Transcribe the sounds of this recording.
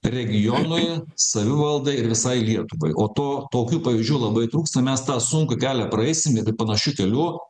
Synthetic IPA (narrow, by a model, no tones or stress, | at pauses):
ɾʲɛɡʲɪjoːnʊjsɐʋʲɪʋɐlˠd̪ɐɪɪɾʋʲɪsɐɪlʲiɛt̪ʊʋɐɪʔoːt̪oːt̪oːkʲuːpɐʋʲɪzʲʒʲd͡ʒʲuːlˠɐbɐɪt̪ɾuːkst̪ɐmʲɛst̪ɑːsʊŋkɐkʲæːlʲɛpɾɐɛɪsʲɪmɪpɐnɐʃʲukʲɛlʲuː